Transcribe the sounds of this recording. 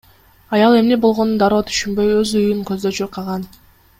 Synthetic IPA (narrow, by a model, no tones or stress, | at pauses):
ɑjɑlˠe̞mne̞bo̞lˠʁo̞nund̪ɑɾoːt̪ʰy̥ʃynbø̞jøzujyŋkøzd̪øt͡ʃøɾqʰɑʁɑn